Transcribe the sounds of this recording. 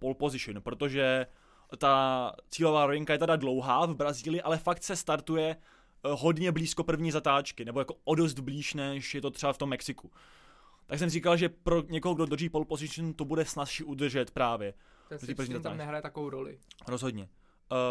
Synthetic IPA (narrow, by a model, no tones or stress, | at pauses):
polpo̞zɪʃɪnpɾo̞t̪o̞ʒɛ | t̪at͡siːlo̞vaːɾovɪŋkajɛt̪adadlo̞wɦaːvbɾaziːlɪjɪʔalɛfak̚t̪sɛst̪aɾt̪ujɛ | ɦo̞dɲɛbliːsko̞pr̩vɲiːzat̪aːt͡ʃkɪnɛbo̞jakoʔodost̪bliːʃnɛʃjɛt̪o̞t̪ɛbaft̪o̞mːɛksɪku | t̪aks̬ɛmriːkalʒɛpɾo̞ɲɛkoɦoɡdod̪r̩ʒiːpo̞lpo̞zɪʃɪnt̪obudɛsnasʃiʔud̪r̩ʒɛt̪pɾaːvjɛ | ot̪iːpɾ̩vɲiːzat̪aːnɛɦɾajɛt̪akovowɾolɪ̰ɾozɦo̞dɲɛ